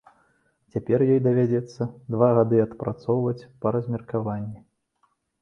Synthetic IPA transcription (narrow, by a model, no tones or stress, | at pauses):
t͡sʲapʲɛrjɔjd̪ɐvʲad͡zʲɛt̪sːɐd̪vaɣad̪ɨɐt̪pɾat̪sɔwvɐt͡sʲpɐɾɐzʲmʲɛrkavanʲːi